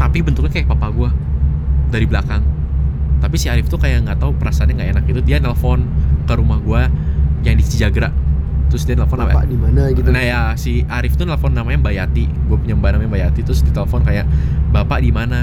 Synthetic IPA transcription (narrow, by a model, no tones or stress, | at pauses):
t̪apibənt̪ʊk̚ɲakajak̚papaɡua | daɾiblakaŋ | t̪apisiaɾɪft̪ukajaʔŋɡat̪aupəɾasaːnɲaŋɡaenak̚it̪udianɛlfɔnkəɾumahɡuajaŋdist̪id͡ʒaɡəɾaʔt̪ɾʊsdianɛləfɔnamaadimanaɡinajasiaɾɪft̪uneləfɔnːamaɲambajat̪iɡuapuɲambanamaɲambajat̪it̪ɾʊsdit̪eləfɔnkajaʔbapaʔdimana